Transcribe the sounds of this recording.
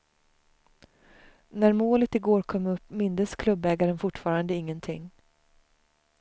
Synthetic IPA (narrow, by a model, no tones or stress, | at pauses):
næɾmoːlət̪ɪɡoːɾkʰɔmːɵpːmɪnd̪əskʰlɵbɛːɡaɾənfʊʈːfɑːɾand̪əɪŋːənt̪ʰɪ̰ŋː